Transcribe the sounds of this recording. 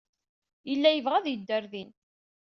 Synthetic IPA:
jəlːæjəvʁæðjəd̪ːəɾðin

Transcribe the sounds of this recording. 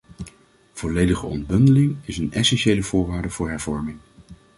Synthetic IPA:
v̥ɔlejdəχəɔ̰nd̚bɵndəlɪŋɪsənɛsɛnʃejləv̥ʊːɹʋaːɹdəv̥ʊːɹɦɛɹv̥ɔɹmɪŋ

